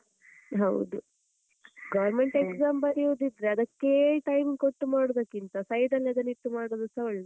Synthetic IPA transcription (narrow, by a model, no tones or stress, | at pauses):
ɦɐwd̪u | ɡɐʋɾme̞ɳʈeksaːmbɐɾiud̪id̪ɾeɐd̪ɐkːeʈɐjmikoʈːumaːɽod̪ɐkːint̪ɐsɐjd̪ɐlːɐd̪ɐniʈːumaːɽoːd̪ɐsɐɐɭːe